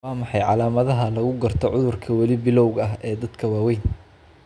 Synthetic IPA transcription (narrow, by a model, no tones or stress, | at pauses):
aːmɑħɑjʕɑlaːmɐðɐɦɐlɐɣʊɡɐrt̪ʰɔʕʊðʊrkʰɐwɐlɪbɪlɔwɡɐɦɛːd̪ɐd̪kʰɐwaːwɛjn